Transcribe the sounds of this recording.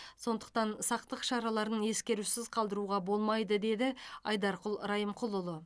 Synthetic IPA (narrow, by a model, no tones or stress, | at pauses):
so̞nd̪ə̥q̚t̪ɑnsɑq̚t̪əqʃɑɾɑlˠɑɾəne̞skʲe̞ɾusɪzqʰɑlˠd̪əɾuʁɑbo̞lˠmɑjd̪əd̪e̞d̪ɪɑjd̪ɑɾqʊlˠɾɑjəmqʰʊlˠʊlˠə